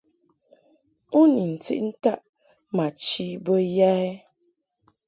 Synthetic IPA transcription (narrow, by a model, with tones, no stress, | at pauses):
u˦ni˨n̩˨tḭ˦ʔn̩˦ta˦˨ʔ | ma˨t͡ʃi˦bə˦ja˦ɛ˦